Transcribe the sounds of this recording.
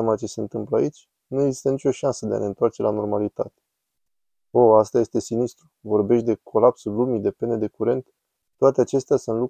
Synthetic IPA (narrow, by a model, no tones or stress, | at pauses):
amat͡ʃe̞se̞ɨnt̪ɨmpləait͡ʃʲ | nue̞ɡzi̥st̪ənit͡ʃʲo̞ʃansəd̪e̞a̰ne̞ɨnt̪oart͡ʃe̞lano̞rmalit̪at̪e̥ | o̞ast̪aje̞st̪e̞sinist̪ɾuvo̞rbe̞ʃt̪̚d̪e̞kʰo̞lapsulumid̪e̞pe̞ne̞d̪e̞kuɾe̞nt̪ː | oat̪eat͡ʃe̞st̪easunt̪lu